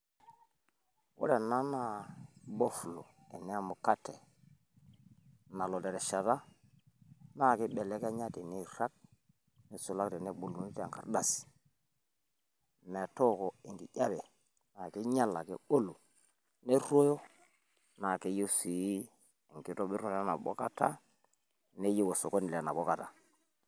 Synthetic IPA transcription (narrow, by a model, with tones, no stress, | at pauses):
wo̰˦ɾe˨na˦na˨bo˦flo˨ | e˨ne˦a˦mu˨ka˦tːe˨ | na˨lo˨de˨ɾe˨ʃa˨ta˦ | na˦˨ki˦ɓe˨le˦ka˦ɲa˦ti˨ni˦˨ɾa˦k̚ | ne˨su˨la˦kti˨ne˦ɓu˨lu˨ni˦tːŋka̰˨ɾda˦˨s | me˨tɔ˦kɔ˨i˨ŋɡi˨ja˦bɛ˨ | na˨ki˦ɲa˦la˨kḛ˦o˦lu˨ | ne˦ɾo˦jo˦ | na˨ke˦ji˦si˨i˦ | i˨ŋki˦to˦bi˦ɾo˨˦a˦na̰˨bɔ̰˦ka˦ta̰˦ | ne˦ji˦wo˨so˨ko˦ni˨lna̰˨bo˦ka˨ta˨